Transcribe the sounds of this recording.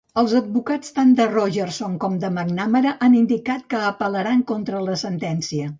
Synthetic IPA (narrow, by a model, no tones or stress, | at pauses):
əlˠzəd̪̚βukat͡st̪and̪ərɔʒərsoŋkɔmd̪əməɡnaməɾəʔanind̪ikat̪kəːpələɾaŋkont̪ɾələsənt̪ɛnsiə